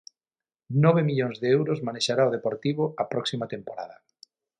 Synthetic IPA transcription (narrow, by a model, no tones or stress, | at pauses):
nɔβemiʎoŋzðeewɾozmaneʃaɾaoð̞epoɾt̪iβoapɾɔksimat̪empoɾa̰ðɐ